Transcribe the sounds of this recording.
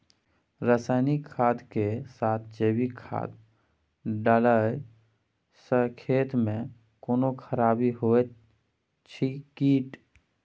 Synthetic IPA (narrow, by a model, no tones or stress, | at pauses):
ɾəsaːɪnikʰːaːd̪kesaːt̪ʰd͡ʒeːbikʰa̰ːd̪ | ɖələj | səɾkʰeːt̪mẽ | koːnokʰəɾaːbiɦoːe | t͡ʃʰikiːʈ